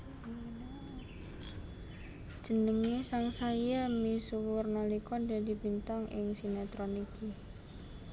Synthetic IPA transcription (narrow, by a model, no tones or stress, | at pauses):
d̥ʒ̥ə̤nəŋesaŋsaijamisuwʊrnalikɔdadi̤bint̪aŋʔɪ̰ŋsinɛt̪ɾoniki